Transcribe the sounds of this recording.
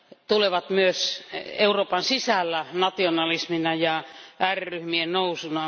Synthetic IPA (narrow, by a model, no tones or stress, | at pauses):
t̪uleʋɑt̪myøseuroːpɑnsisælːænɑt̪ionɑlisminɑjɑærryhmiennousunɑ